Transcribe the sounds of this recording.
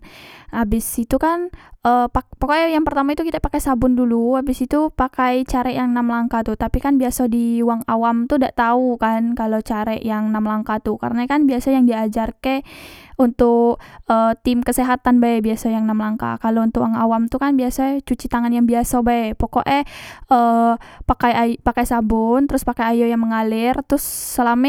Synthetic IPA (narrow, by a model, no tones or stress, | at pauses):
abɪsit̪ukanʔəpapokoʔɛjaŋpərt̪amait̪ukit̪apakɛsabʊnduluabɪsit̪upakajt͡ʃaɾɛjaŋnamlaŋkat̪ut̪apikanbiasadiwaŋawamt̪udaʔt̪aukankalot͡ʃaɾɛʔjaŋnamlaŋkat̪uka̰ɾənakanbiasajaŋdiad͡ʒarkɛunt̪ʊkəːt̪ɪmkəseɦat̪anbajbiasajaŋnamlaŋka̰kalount̪ʊkwaŋawamt̪ukanbiasat͡ʃut͡ʃit̪aŋanjaŋbiasabajpokoʔɛʔəpakajapakajsabʊnt̪əɾʊspakajajojaŋməŋalɪrt̪ɾʊsːəlamɛ